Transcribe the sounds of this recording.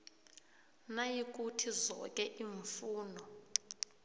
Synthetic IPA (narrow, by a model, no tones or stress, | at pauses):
najik̬ʼutʰizɔ̰kʼɛʔiɱfuːnɔ